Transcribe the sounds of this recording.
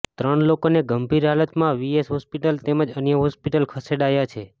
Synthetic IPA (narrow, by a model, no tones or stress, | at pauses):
t̪ɾəɳlokoneɡəmbʱiɾɦalət̪mãʋiesɦɔspiʈəlt̪eməd͡ʒənjəɦɔspiʈəlkʰəseɽajat͡ʃʰe